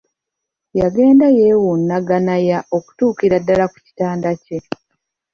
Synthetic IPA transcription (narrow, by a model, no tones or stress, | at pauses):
jaɡe̞ːndajewunːaɡanajaʔo̞ku̥tuːkiɾadːalaku̥ci̥taːndace̞